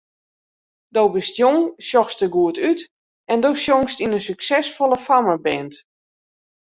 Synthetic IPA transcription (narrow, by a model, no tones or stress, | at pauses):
dowbɪstjoŋsjɔxstəɡuətyt | ɛndowsjoŋstinənsyksɛsfolˠəfaməbɛnt